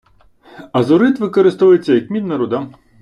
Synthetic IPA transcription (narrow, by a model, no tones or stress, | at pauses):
ɐzʊɾɪt̪ʋɪkɔɾɪst̪ɔʋɐjet͡sʲːɐjɐkmʲid̪nɐɾʊd̪a